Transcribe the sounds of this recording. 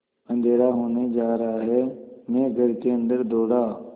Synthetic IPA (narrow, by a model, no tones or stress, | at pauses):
ə̃nd̪ʱeːɾaːɦoːned͡ʒaːɾəɦaɦɛːmẽːɡʱəɾkeə̃nd̪əɾd̪oːɽaː